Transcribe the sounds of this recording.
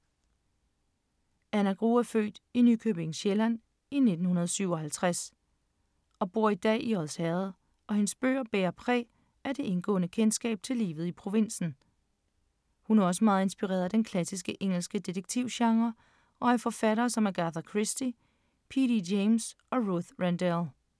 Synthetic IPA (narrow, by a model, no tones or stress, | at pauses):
ænæɡ̥ʁṵːæɐfø̰ːd̥inykʰøb̥e̝ŋ̩ɕelæn̰ | ine̝d̥n̩hunɐð̞ˠsyʊ̰ɒ̽hælt͡sʰʁas | ɒ̽b̥o̝ɐ̰id̥ɛ̰ːʔiɒlshɛðˠ | ʔɒ̽he̝nsb̥ø̰ːɐb̥eːɐpʰʁɛ̰ː | æd̥e̝ʔe̝nɡ̥ɔ̰̽ːnəkʰensɡ̥ɛ̰ːb̥̚t͡sʰe̝lḭːʋð̩ˠipʰʁo̝ʋe̝n̰sn̩ | hunæɐɒ̽s̬əmɑ̈ːð̩ˠe̝nsb̥iʁɛ̰ːɐðˠd̥enkʰlæsisɡ̥əʔeŋ̰l̩sɡ̥əd̥id̥eɡ̥̚t͡sʰiʊ̰ɕɑ̈ŋʁɐ | ɒ̽æɐfɒ̽fæɾɐːsɒ̽mæɐɡ̥ɑθɐkʰʁisd̥i | pʰididems | ɒ̽ʁuθʁændælˠ